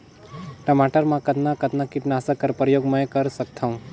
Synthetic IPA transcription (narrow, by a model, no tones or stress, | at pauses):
ʈəmaʈəɾmãkət̪nãkət̪nakɪʈnaːsakːəɾpɾəjoːɡməjkəɾsəkt̪ʰaũ